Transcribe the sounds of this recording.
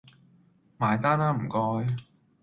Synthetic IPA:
maː˨˩jt̪aː˥naː˧m̩˨˩kɔː˧j

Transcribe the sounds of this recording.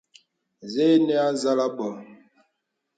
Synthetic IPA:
ze˦nɛ˦a˦za˦la˦ɓɔ˨

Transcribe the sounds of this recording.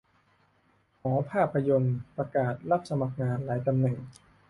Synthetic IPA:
hɔː˩˦pʰaː˥˩pʰːa˧jo˧npɾa˧kaː˨˩t̪̚la˥˩p̚sa˧ma˨˩k̚ŋaː˧nlaː˩˦jt̪a˧mnɛ˨˩ŋ

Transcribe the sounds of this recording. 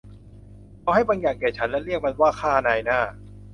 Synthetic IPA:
ʔa˧wha˥˩jbaː˧ŋjaː˨˩ŋkɛː˨˩t͡ɕʰa˦˥nlɛ˦˥ɾi˥˩ək̚ma˧nwaː˥˩kʰaː˥˩˧naː˧jnaː˥˩

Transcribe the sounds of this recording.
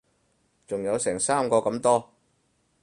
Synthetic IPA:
t͡sʊ˨ŋjɐ˨˧wsɛː˨˩ŋsaː˥mkɔː˧kɐ˧˥mt̪ɔː˥

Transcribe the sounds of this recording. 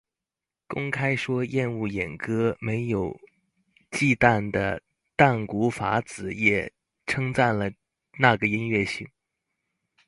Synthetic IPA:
kʊ˥ŋkʰa˥ɪʂwɔ˥jɛ˥˧nu˥˩jɛ˨˩nkɤ˥me˧˥ɪjo˨˩ʊ | t͡ɕi˥˧t̪a˥˩nd̪ə˩ | t̪a˥˩nku˧˥fa̰˧˥t͡sɹ̩˨˩˦jɛ˨˩ | ʈ͡ʂʰɤ˥ŋt͡sa˥˩nlə˩ | na˥˩ɡə˩i˥nɥɛ˥˩ɕi˥˩ŋ

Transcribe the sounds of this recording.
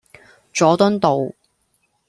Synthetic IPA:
t͡ʃɔː˨˥t̪ɵ˥nt̪o˨w

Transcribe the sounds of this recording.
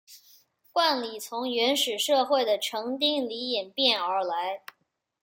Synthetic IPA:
kwa˥˩nli˨˩t͡sʰʊ˧˥ŋɥɛ˧˥nʂɻ̩˨˩ʂɤ˥˧xwe˥˩ɪd̪ə˩ʈ͡ʂʰɤ˧˥ŋt̪̬i˥ŋli˧˥jɛ˨˩npjɛ˥˩nə˞˧˥la˧˥ɪ

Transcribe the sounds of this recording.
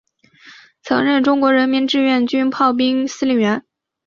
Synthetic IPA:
t͡sʰɤ̰˧˥ŋɻə˥˩nʈ͡ʂʊ˥ŋkwɔ˧˥ɻə˧˥nmi˧˥nʈ͡ʂɻ̩˥˧ɥɛ˥˩nt͡ɕy˥npʰɑ˥˩ʊp̬i˥ŋsɹ̩˥li˥˩ɥɛ˧˥n

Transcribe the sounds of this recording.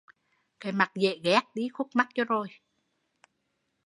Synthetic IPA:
ka˨˦jma˨˩k̚zḛ˧˨ɣɛ˦˥k̚ɗi˨˦xu˦˥k͡p̚ma˦˥k̚t͡ɕɔ˧˦zo˨˩j

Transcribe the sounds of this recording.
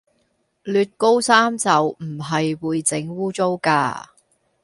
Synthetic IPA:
lyː˧t̚ko˥wsaː˥mt͡sɐ˨˧wm̩˨˩ɦɐ˨jwuː˨˧jt͡sɪ˨˥ŋwuː˥t͡so˥wka̰ː˧

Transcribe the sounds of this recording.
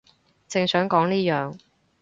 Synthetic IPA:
t͡sɪ˨˧ŋsœː˨˥ŋkɔː˨˥ŋniː˥jœː˨ŋ

